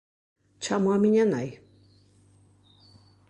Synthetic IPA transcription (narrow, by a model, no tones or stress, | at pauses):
t͡ʃamwamɪɲanaj